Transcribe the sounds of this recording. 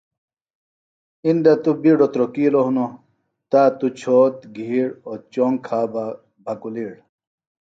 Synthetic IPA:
ind̪at̪ubiɖot̪ɾokiːloɦuno | t̪aːt̪ut͡ɕʰoːt̪ɡʱiɽot͡ɕoŋkʰaːba | bʱɐkuliːɽ

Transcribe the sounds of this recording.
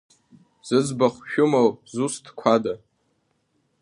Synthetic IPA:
z̥ɨzbaχʷʃᶣʊmowzustʰkʷʰada

